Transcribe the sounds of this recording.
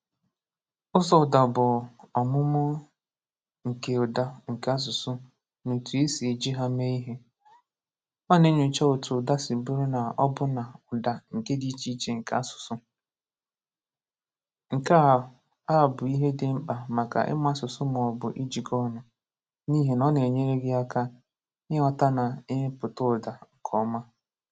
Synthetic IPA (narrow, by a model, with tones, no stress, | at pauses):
ʊ˦sɔ˦ʊ˨da˨bʊ˨ɔ˨mʊ˦mʊ˦ | ŋ̩˨ke˨ʊ˨da˦ŋ̩˨ka˦s̬ʊ˨sʊ˦ | no˨tu˨e˦si˨d͡ʒi˦ɦa˦me˦i˦ɦe˦ | ɔ˦ne˦ɲʊ˨t͡ʃa˦o˨tʊ˨da˦si˨bʊ˦ɾʊ˦na˨ɔ˦bʊ˦na˨ʊ˨da˨ŋ̩˨ke˦di˦t͡ʃi˦t͡ʃe˨ŋ̩˨ka˦sʊ̥˨sʊ˦ | ŋ̩˨ka˦˨ | a˦˨bʊ˨i˦ɦe˦dɪ˦m̩˦k͡pa˨ma˨ka̰˨ʔɪ̰˦ma˦sʊ˨sʊ˦m˨ɔ˨bʊ˨ʔi˦d͡ʒi˨kɔ˦˨nʊ˨ | ni˦ɦe˨nɔ˦ne˨ɲe˦ɾe˦ɡɪ˦a˦ka˦ | ɲɪ˦ɔ˦ta˦na˨ɪ˦pʊ˨tʊ˦˨da˨ŋ̩˨kʰɔ˦ma˦